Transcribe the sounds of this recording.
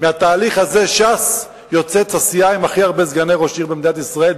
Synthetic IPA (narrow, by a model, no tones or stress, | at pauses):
meat̪aːliχhaze̞ʃas | jo̞t͡se̞t͡sasiaimaχiaʁbe̞zɡaneʁo̞ʃiʁbemd̪inat̪isʁae̞l